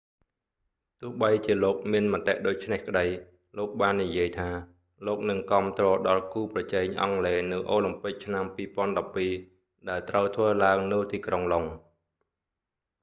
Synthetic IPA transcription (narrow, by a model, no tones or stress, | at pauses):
t̪ʊ̆əhɓəjt͡ɕiəloːk̚miənmə̆ət̪eʔɗoːc̚t͡ɕʰnehkəɗəj | loːk̚ɓaːnːijiəjt̪ʰaː | loːk̚nɨŋkŏəmt̪rɔːɗɑlkuːprɑt͡ɕɛːŋʔɑ̰ŋleːnɨwʔoːlimpɨk̚t͡ɕʰnampiːpŏənɗɑpːiː | ɗaɛlt̪rəwt̪ʰʋəːlaəŋnɨwt̪iːkroŋloŋ